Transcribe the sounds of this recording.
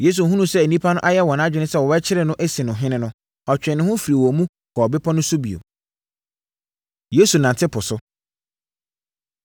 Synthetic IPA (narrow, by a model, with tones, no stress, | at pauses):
je˦s̬u˨ɦũ˦nũ˦sɛ˦e˨nĩ˦pʰa˦nʊ̃˦ʔa˦jɛ˦wɔ̃˨nã˦d͡ʑᶣɪ˨˦nɪ̃˦sɛ˦wɔ˨bɛ˦t͡ɕʰɪ˦ɾɪ˨nʊ̃˦ʔe˦sĩ˨nʊ̃˨ɦɪ̃˦nɪ̃˦nʊ̃˦ | ɔ˨t͡ɕᶣɪ̃˨nɪ̃˦hʊ̃˦fi˨ɾi˨wɔ˨mũ˦ | kʰɔ˨bɪ˦pʰɔ˦nʊ̃˦sʊ˦bi˨o̰˨ | je˨˦su˨nã˨ntʰɪ˦pʰʊ˨sʊ˦